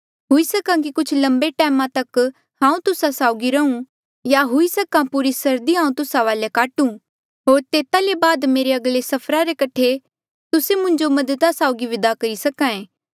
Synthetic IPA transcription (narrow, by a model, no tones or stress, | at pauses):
ɦʊisɐkãkikʊt͡ʃʰlɐ̃mbeʈɛːmãt̪ɐk | ɦãːũt̪ʊsasaːʊɡiɾɐũ | jaɦʊisɐkãpuɾisɐɾd̪iɦãːũt̪ʊsaʋaːljakaːʈũ | ɦoːɾt̪eːt̪alebaːd̪meːɾeɐɡlesɐpʰɾaɾekɐʈʰe | t̪ʊsemʊ̃ɲd͡ʒomɐd̪ət̪asaːʊɡiʋɪd̪akɐɾisɐkãẽː